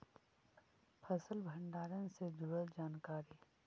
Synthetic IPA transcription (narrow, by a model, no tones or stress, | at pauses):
pʰəsəlbʱɐ̃ɳɖaːɾənsed͡ʒʊɽəld͡ʒaːnkaːɾi